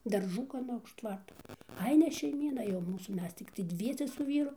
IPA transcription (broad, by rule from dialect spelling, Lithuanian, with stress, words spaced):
dɐrˈʒuː ɡɐˈnɐ ʊʃ ˈtʋɐrtoː ˈɐɪ nʲɛ ʃʲɛɪˈmʲiːnɐ jɛʊ ˈmuːsuː ˈmʲɛs tʲɪkˈtɐɪ ˈdʲʋʲiɛsʲɛ sʊ ˈʋʲiːrʊ